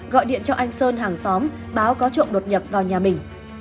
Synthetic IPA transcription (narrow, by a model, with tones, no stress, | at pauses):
ɣɔ̰˧˨jɗḭ˧˨ənt͡ɕɔ˧ʔa˧jŋ̟səː˧nɦaː˨˩ŋsɔ˨˦m | ɓaː˨˦wkɔ˨˦t͡ɕo̰˧˨nɗo˨˩t̚ɲə˨˩p̚vaː˨˩wɲaː˨˩mï˨˩ŋ̟